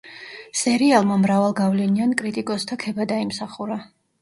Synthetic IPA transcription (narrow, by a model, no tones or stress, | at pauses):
sɛɾialˠmamɾavalˠɡavlɛniankʼɾit̪ʼikʼɔst̪ʰakʰɛbad̪aimsaχuɾa